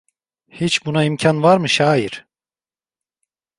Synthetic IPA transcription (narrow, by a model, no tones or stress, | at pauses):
hit͡ʃbunaimcʰanvaɾmɯʃaːjiɾ̥